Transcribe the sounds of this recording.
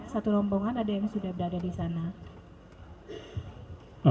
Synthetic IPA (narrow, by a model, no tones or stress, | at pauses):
t̪sat̪ulɔmbɔŋanadajaŋsudahbəɾadadisana